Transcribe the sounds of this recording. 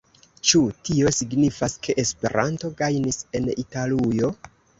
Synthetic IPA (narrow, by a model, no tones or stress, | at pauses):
t͡ʃutio̞siɡnifaskʰe̞ʔespe̞̰ɾʔanto̞ɡajnise̞nitalujo̞